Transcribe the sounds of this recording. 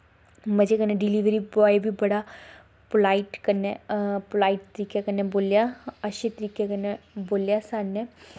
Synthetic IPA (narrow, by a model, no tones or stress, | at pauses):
məd͡ʒeːkənːẽːɖɪliːʋɾiːbɔːibiːbəɽaː | plaːiʈkənɛːplaːiʈ̚t̪əɾiːkeːkənːeːboːljaːəʃẽːt̪əɾiːkekənːeboːljaːsaːneː